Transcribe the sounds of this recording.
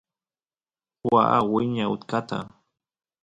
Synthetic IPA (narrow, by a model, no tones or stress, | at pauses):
waʔawɪɲaʊt̪kat̪a̰